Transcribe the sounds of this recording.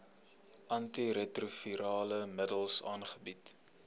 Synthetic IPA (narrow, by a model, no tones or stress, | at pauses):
ʔɐntiɾetrufiɾɑːləmədəlˠsɑ̰ːnχəbit